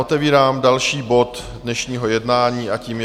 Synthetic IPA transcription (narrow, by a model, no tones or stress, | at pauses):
ot̪ɛviːɾaːmdalʃiːbo̞t̪ | dnɛʃɲiːɦo̞jɛdnaːɲiːʔaciːm